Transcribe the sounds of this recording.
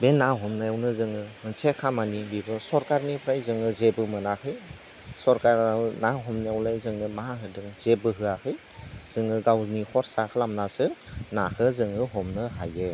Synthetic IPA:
benːaɦɔmnajawnɯzɯŋɯmɯnsekʰamanibibɯsɔɾkaɾnipʰɾajzɯŋɯzebɯmɯnakʰɯj | sɔɾkaɾnaɦɔmniawlajzɯŋɯmaahɯdɯŋz̥ebɯɦɯakʰɯj | z̥ɯŋɯɡawnihʰɔɾsakʰɯlamnasɯnakɯzɯŋɯɦɔmnɯɦaje

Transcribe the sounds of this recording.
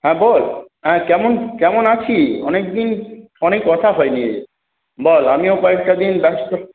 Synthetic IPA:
hɛ̃bolɦɛ̃kɛmonkɛmonat͡ɕʰiɔnek̚d̪in | ɔnekːɔt̪ʰaɦɔeniḛ | bolamiokɔek̚ʈad̪inbɛst̪o

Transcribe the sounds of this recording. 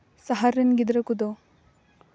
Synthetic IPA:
sɐɦaɾːɐnɡid̪ɾɐkud̪o

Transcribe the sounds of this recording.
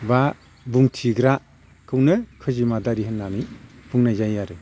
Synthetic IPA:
ba | buŋtʰiɡɾa | kʰɯwnɯkʰɯzimadaɾiɦɯnːanib̥uŋnajzajaɾɯ

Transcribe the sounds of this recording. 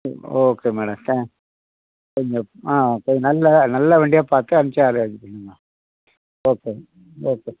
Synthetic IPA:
oːkeːmɛːɽɐmt̪ɛ̃ː | kɔɲd͡ʒɔ̃aːoːkɔɲnɐlːɐnɐlːɐʋeːɳɖɪjaːpaːɾt̪ɯɐnɪt͡ɕːaːɾʋɐt͡ʃːɯkːɐɳːɯŋa | oːkeː | oːkeː

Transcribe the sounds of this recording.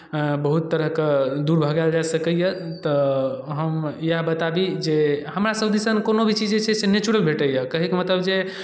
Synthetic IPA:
bəɦut̪ːəɾəɦked̪uɾbʱəɡald͡ʒasəkəjə | t̪ɔɦəmjabət̪abid͡ʒehəmɾasəbd̪isənkonobʱit͡ʃid͡ʒet͡ʃʰɛsenet͡ʃuɾəlbʱeʈəjəkəɦikemət̪ləbd͡ʒe

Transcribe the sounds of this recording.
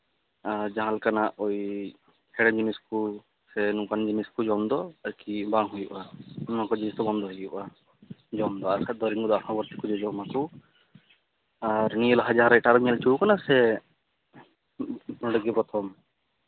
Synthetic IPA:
aɾd͡ʒaɦãlkanaʔoj | hɛɽɛnd͡ʒinisku | sɛnukand͡ʒiniskud͡ʒɔmd̪ɔaɾkibaŋɦujṵʔanmãkɔd͡ʒiist̪ɔbɔnd̪ʱɔɦejɔʔa | d͡ʒɔmd̪ɔaɾkad̪ɔɾiŋɡɔd̪ɔaʈʰɔ̃bɔɾt̪ikud͡ʒɔd͡ʒɔmaku | aɾnijɔlaɦad͡ʒaɦãɾajʈaɾɔmialt͡ʃuwkanasɛ | pnɔɽɔɡipɾɔt̪ʰɔm

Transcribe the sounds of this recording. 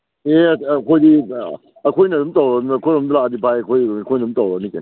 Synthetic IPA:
ekʰojdi | ɐkʰojnɐdumtawɾɐkːkʰojɾɔmdulaadipʰajɐkʰojkʰojnɐdutawɾɐk̚niken

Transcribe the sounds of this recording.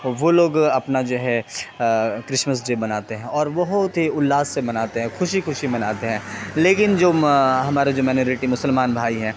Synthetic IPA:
ʋoloːɡɐpnad͡ʒoːɦɛ | kɾɪʃməs̬d͡ʒeːbɐnaːt̪eɦɛ̃ɔːɾʋɐɦʊt̪ɦiʊlːaːzːemɐnaːt̪eɦɛ̃xʰʊʃixʊʃimɐnaːt̪eɦɛ̃ːleːkɪnd͡ʒoːɦɐmaːɾed͡ʒoːmɛːnjoːɾɪʈimʊsəlmaːnbʱaːiɦɛ̃ː

